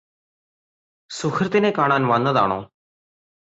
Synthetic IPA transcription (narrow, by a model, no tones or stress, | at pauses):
sʊxʰəɾt̪eːnẽːkaːɳãːnʋãːnəd̪a̰ːɳõ̰ː